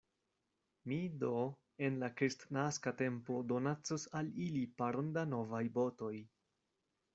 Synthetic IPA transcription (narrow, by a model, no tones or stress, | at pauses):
mido | e̞nlakɾistnaskate̞mpo̞do̞nat͡sosalilipaɾondano̞vajbo̞to̞j